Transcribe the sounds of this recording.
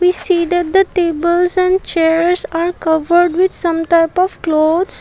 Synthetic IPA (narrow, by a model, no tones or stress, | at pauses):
ʋiːsiːd̪ɛʈ̚d̪əʈeːbəlzɛ̃ɳɖt͡ʃeɾzaːɾkʌʋəɾɖʋɪd̪sʌ̃mʈaɪpɔʋklod̪s